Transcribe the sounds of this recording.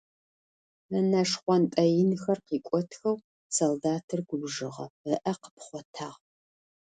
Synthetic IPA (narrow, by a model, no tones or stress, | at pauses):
ɐnɐʂχʷɔntʼɐjɪnxɐrqiːkʷʼɔtʰxɐw | soldaːtʰɨrɡ̥ʷʊbʒɨʁɐ̰əʔɐqə̥pχʷɔtʰaːʁ